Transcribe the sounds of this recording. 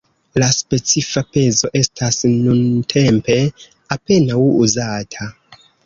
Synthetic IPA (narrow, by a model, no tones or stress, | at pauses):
laspe̞t͡sifape̞zo̞ʔe̞stʰasnuntʰe̞mpe̞ | ape̞nawuzatʰa